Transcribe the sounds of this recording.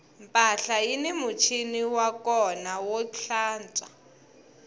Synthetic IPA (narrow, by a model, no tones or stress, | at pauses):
mpʼaɬajinimut͡ʃʰiniwakɔnawɔɬaːnt͡sʼa̰